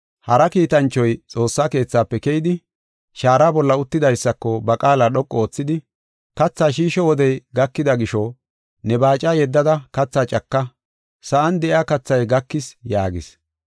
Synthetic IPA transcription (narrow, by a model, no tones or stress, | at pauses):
hɐɾɐkiːt̪ɐnt͡ʃːɔjt͡sʼo̞ːsːaːke̞ːt͡sːaːpːɛkɛjɪd̪ɪ | ʃaːɾaːbɔlːɐʊt̪ːɪd̪ɐjsːɐkːɔbɐkʼaːlaːɗɔkʼːɔoːt͡sːɪd̪ɪ | kɐt͡sːaːʃiːʃɔwɔd̪ɛjɡɐkːɪd̪ɐɡɪʃɔ | nɛbaːt͡ʃʼaːjɛd̪ːɐd̪ɐkɐt͡sːaːt͡ʃʼɐkːɐ | sɐʔɐnd̪ɛʔjaːkɐt͡sːɐjɡɐkːɪsjaːɡɪ̰s